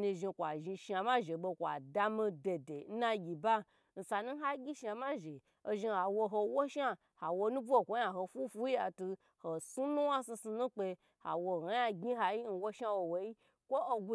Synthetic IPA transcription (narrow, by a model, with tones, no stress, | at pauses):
ni˧ʒi˧kʷa˨ʒi˧ʃa˨ma˦ʒe˨ɓo˧kʷa̰˨da˧mĩ˧de˨de˨n̩˦na˦ɡʲi˨ba˦ | n̩˨sa˨nũ˦ɦa˦ɡʲi˦ʃa˧ma˦ʒe˨ | o˧ʒi˧ha˨wo˧ɦo˧wo˦ʃa˦ | ha˨wo˧nũ˦bu˦o˦˨kʷo˦jã˨ɦo˧fu˦fu˦ji˦a˨tu˧ | ho˨su˦nũ˦wa˦si˧su˧nũ˦k͡pe˧ | ha̰˨wo˧˨ho˨˦ja˦ɡʲi˦ɦa˧ji˦n̩˨˧wo˦ʃa˦wo˧˨wo˧ji˦ | kʷo˦o˧ɡu˧